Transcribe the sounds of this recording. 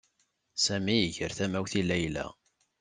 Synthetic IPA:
sæmijəʝəɾθæmæwθilæjlæ̰

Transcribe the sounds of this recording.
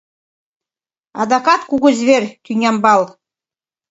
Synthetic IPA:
ɑ̰d̪ɑkɑt̪kuɡɤzβerʲt̪ʲyŋʲɑmbɑlˠ

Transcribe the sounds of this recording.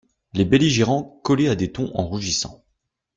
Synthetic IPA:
lebeliʒeʁɑ̃kɔlead̪et̪ɔ̃ʔɑ̰̃ʁuʒisɑ̰̃

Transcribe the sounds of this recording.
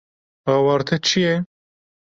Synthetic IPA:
aːwɑːɾt̪ʰɐt͡ʃʰijɛ

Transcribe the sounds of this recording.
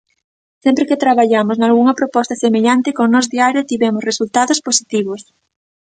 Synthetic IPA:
sɛmpɾeket̪ɾaβaʎamʊznalɣuŋɐpɾopɔst̪ɐsemeʎant̪ɪkoŋnɔzðiaɾjʊt̪iβɛmʊsresult̪aðosposit̪iβ̞ʊs

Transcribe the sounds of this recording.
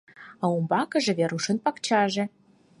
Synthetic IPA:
ɑumbɑkɤ̆ʒĕβeɾuʃə̆npɑkt͡ɕɑʒĕ

